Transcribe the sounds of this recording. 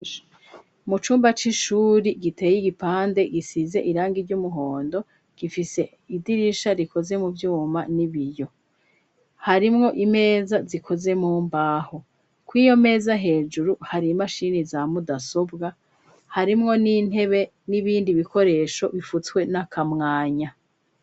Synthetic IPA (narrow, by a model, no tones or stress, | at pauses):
mut͡ʃuːmbat͡ʃiʃuːɾiɡite̞ːjiɡipaːnde̞ɡisize̞ʔiɾaːŋɡiɾɟumuɦo̞ːndo̞ | ɡ̥ifise̞ | idiɾiʃaɾiko̞ze̞muvjuːmaniβijo̞ | haɾimŋo̞ʔime̞ːzazikʰo̞ze̞muːmbaːho̞ | kwiːjo̞me̞ːzaɦe̞ːd͡ʒuɾuhaɾimaʃiːnizamudaso̞bɡa | haɾimŋo̞nin̥he̞βe̞ | niβiːndiβiko̞ɾe̞ːʃo̞βifut͡skwe̞nakʰamŋaːɲa